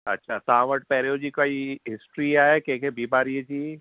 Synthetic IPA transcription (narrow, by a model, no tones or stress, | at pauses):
ɐ̰tːʃʰasãːʋəʈ̚pɛːɾejod͡ʒiːkaiɦɪsʈɾiaːekeːkebiːbaːɾied͡ʒiː